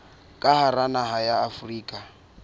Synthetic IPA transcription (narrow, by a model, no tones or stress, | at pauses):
kʼaharanaɦajaːfriːkʼa